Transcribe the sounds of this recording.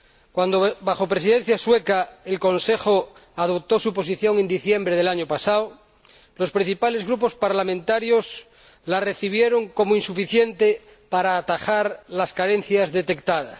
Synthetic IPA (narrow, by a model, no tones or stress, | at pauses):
kwand̪oβaxo̞pɾe̞siðẽ̞n̟θjaswe̞kaelko̞nse̞xoað̞o̞p̚t̪o̞supo̞s̬iθjo̞ŋend̪iθje̞mbɾeð̞e̞laɲopasaow | lo̞spɾĩn̟θipale̞zɣɾup̬o̞spaɾlamẽnt̪aɾjo̞s | lare̞θiβ̞jeɾo̞ŋko̞moinsufiθje̞nt̪e | paɾaːt̪axaɾlaskaɾe̞n̟θjazðe̞t̪e̞k̚t̪að̞a̰s